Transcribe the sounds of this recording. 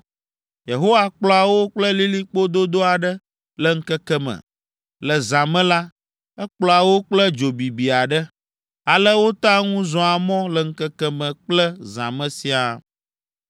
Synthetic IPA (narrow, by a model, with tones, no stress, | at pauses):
je˨ɦo˦wa˦k͡plɔ˦a˨wo˦k͡plə˦li˦li˦k͡po˦d̪o˦d̪o˦a˨ɖə˦ | lɛ˨ŋ̩˦kɛ˦kɛ˦mə̰̃˨ | lə˨zã˨mɛ̃˦la˦ | ɛ˦k͡plɔ˨a˨wo˦k͡plə˦d͡ʒo˨bi˨bi˨a˨ɖə˦ | a˨lə˦wo˦t̪ã˦ŋũ˦zɔ̃˨a˨mɔ̃˦lɛ˨ŋ̩˦kɛ˦kɛ˦mə̃˨k͡plə˦zã̰˨mə̃˦si˦a˨